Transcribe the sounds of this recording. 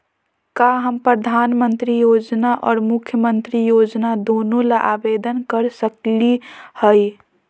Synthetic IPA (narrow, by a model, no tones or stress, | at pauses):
kaɦəmpɾəd̪ʱaːnmənt̪ɾijoːd͡ʒnaʔɔːɾmʊkʰːjəmənt̪ɾijoːd͡ʒnad̪onõlaʔabed̪ənkəɾsəklihəi